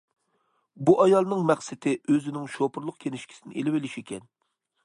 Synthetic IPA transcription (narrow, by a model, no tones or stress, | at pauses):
buʔɑjɑlˠnɨŋmæχsɪt̪ʰɪʔøzɪnɪŋʃopʰʊɾlˠʊq̚kʲʰenɪʃkʲʰi̥sɪnɪ̰ʔḛlɪwɪlɪʃikʲʰɛn